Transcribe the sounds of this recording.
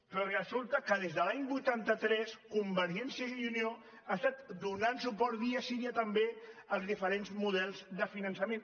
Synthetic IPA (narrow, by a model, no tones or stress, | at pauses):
pɾɔrəzulˠt̪əkəð̞ezðəlaɲbujt̪ant̪ət̪ɾɛskumbəɾʒɛnsjəunio | ast̪at̪d̪unansupɔɾðiəsiɾiət̪əmbeəlˠzðifəɾenzmuð̞ɛlˠzðəfinənsəmen